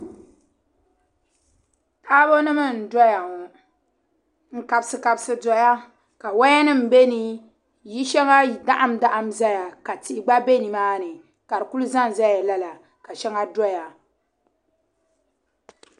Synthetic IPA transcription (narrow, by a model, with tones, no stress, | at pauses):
tʰaː˦bo˦nɨ˦mɨ˦n̩˨dɔ˦ja˨ŋo˨ | ŋ̩˨ka˨bsɨ˨ka˨bsɨ˦dɔ˨ja˦ | ka˨wa˦ja˦nɨ˦m̩˨be˦ni˦ | ji˦ʃɛ˦ŋa˦˨da˦ʔa˦m˦da˦ʔa˨mza˦ja˨ka˨ti˨ʔɪ˨ɡ͡ba˦be˦ni˨maː˦nɨ˨ | ka˨ɾɨ˨ku˦lu˦za˦n˨za˦ja˨la˦la˨ | ka˨ʃɛ˦ŋa˦dɔ˦ja˨